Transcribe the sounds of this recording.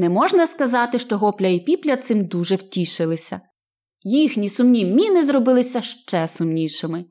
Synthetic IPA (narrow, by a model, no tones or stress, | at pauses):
nɛmɔʒnɐskɐzɑt̪ɪʃt͡ʃɔɦɔplʲɐipʲiplʲɐt̪sɪmd̪uʒɛwtʲiʃɪlˠɪsʲɐ̰ | jixnʲisʊmnʲimʲinɪzrɔbɪlˠɪsʲɐʃt͡ʃɛsʊmnʲiʃɪmɪ